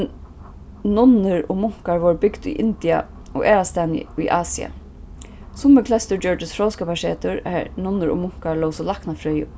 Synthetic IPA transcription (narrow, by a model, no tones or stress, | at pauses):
n | nʊnːɪɹʊ̰mʊŋ̥kaɹʋɔɹbɪkd̪ʊ̰jʔɪnt̪ɪa̰ | ɔ̰ʔɛːɹast̪ɛːnɪ̰ʊjʔaːsia̰ | sʊmɪklɛst̪ʊɹd͡ʑœɹɖɪsfɾɔwskapaʃɛːt̪ʊɹænʊnːʊɹʊ̰mʊŋ̥kaɹlowsɔlahknafɾœjʊ̰